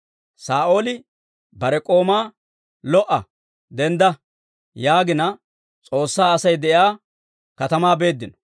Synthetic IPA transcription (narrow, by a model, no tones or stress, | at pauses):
saːʔo̞ːlɪ | bɐɾɛkʼo̞ːmaː | lɔʔːɐ̰ | d̪ɛnd̪ɐ | jaːɡɪnɐ | t͡sʼo̞ːsːaːɐsɐjd̪ɛʔɪaː | kɐt̪ɐmaːbe̞ːd̪ːɪnɔ̥